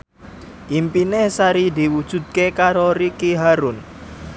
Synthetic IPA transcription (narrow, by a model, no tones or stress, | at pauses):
ʔimpinehsaɾid̪i̤wud̥ʒ̥ṳd̪̚kekaɾoɾikiɦaɾʊn